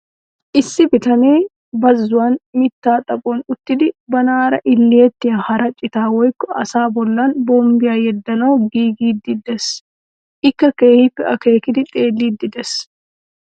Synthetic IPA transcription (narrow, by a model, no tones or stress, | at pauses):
ʔɪsːɪbɪt̪ɐneː | bɐzːʊwaːnmɪt̪ːaːt̪ʼɐkʼoːnʊt̪ːɪd̪ɪbɐnaːɾɐʔɪlːɪɛt̪ːɪjɐhɐɾɐt͡ʃʼːɪt̪aːwɔjkːɔʔɐsaːbɔlːaːnboːmbɪjaːjɛd̪ːɐnoːɡiːɡiːd̪ɪd̪ɛs | ʔɪkːɐkeːhɪpːɛʔɐke̞ːkɪd̪ɪt̪ʼe̞ːlːiːd̪ːɪd̪ɛs